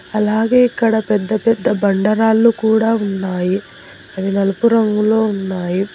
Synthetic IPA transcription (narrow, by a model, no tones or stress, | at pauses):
ɐlaːɡeːikːɐɽɐpɛd̪ːɐpɛd̪ːɐbɐɳɖɐɾaːlːukuːɽaːunːaːji | ɐʋinɐlɐpuɾɐŋɡulo̞ːunːaːji